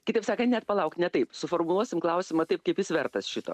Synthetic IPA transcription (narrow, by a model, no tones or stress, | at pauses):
kʲɪt̪ɐɪpsɑːkɐnʲɛt̪pɐlˠɐʊkt̪nʲɛt̪ɐɪpsʊfoːɾmʊlˠuɔsʲɪmklˠɐʊsʲɪmɐt̪ɐɪp̚kɐɪpjɪsʋʲɛɾt̪ɐsʃʲɪt̪o̰ː